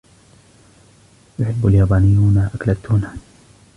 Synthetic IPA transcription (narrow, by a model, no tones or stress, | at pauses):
jʊħɪbːaljaːbaːnɪjːuːnaʔaklat̪ːuːna